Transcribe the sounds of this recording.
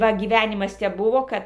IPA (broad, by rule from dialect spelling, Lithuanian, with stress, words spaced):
ˈʋɐ ɡʲiːˈʋʲænʲɪmɐs tʲɛp ˈbʊʋoː ˈkɐt